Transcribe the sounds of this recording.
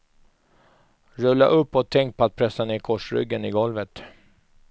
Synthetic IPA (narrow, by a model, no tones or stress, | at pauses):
ɾɵlːa̰ʔɵpːɔt̪ʰɛŋkt̪̚pʰɔat̪̚pʰɾɛsːanɪɾkʰɔʂɾʏ̰ɡːənɪɡɔlvət̪